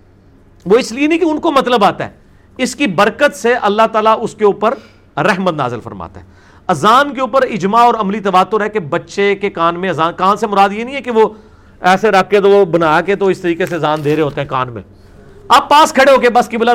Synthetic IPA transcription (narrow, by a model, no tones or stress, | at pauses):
ʋoɪslienĩkeʊnkomɐt̪ləbaːt̪aɛ̰ː | ɪskibɐɾkət̪seʔɐlːaɦt̪aːlaʔʊskeuːpəɾ | ɾɛɦmət̪na̰ːzɪlfəɾma̰ːt̪a̰ɦɛː | ɐzaːnkeuːpəɾɪd͡ʒmaɔːɾɐmlit̪ɐʋaːt̪ːʊɾɦɛkebɐtːʃekekaːnmẽɐzaːnkaːnsemʊɾaːd̪jenĩːɦɛkeʋo | ɛːseɾɐkʰːet̪oobɐnaːket̪oɪst̪əɾiːkesezaːnd̪eːɾeɦoːt̪eɦɛ̃ka̰ːnmḛ̃ː | ɐb̚paːskʰɐɽeɦoːkebɐskibla